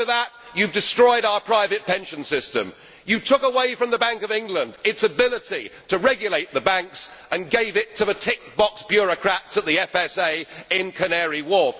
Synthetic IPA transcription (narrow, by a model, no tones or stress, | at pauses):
əðət͡ʃ | ɨvdɨstɹ̥ɔɪɾaʊə˞pʰɹ̥aɪvɨt̚pʰɛ̃nʃɨ̃nsɪstɨ̰̃m | jɨtʰʊkəweɪfɹʌ̃mðəbæ̃ŋkʌvɪ̃ŋɡlə̃ndɪtsəbɪlˠəɾitʰəɹɛɡjɨleɪt̪̚ðəbæ̃ŋksə̃nɡeɪvɪtʰəðɨtʰɪk̚b̥ɑksb̥jʊɹɨkʰɹ̥ætsət̪̚ðiɛfɛseɪɪ̃nkʰɨnɛɹiwɔɹf